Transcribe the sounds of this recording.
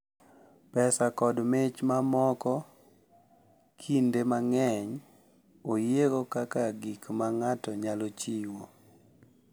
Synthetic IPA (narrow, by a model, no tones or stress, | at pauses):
pɛsakɔdmet͡ʃmamɔkɔ | kʰindemaŋɛɲ | ojeɡokakaɡikmaŋatɔɲalot͡ʃiwo